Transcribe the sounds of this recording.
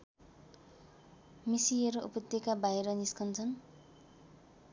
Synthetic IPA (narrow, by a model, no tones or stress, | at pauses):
misieɾoʔupʌt̪ekabajɾʌniskʌnt͡sʰʌn